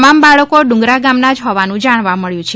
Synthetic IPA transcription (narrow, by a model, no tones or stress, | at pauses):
mambaɭəkoɖʊ̃ŋɡɾaɡamnad͡ʒɦɔʋanũd͡ʒaɽ̃ʋaməɭjũt͡ʃʰe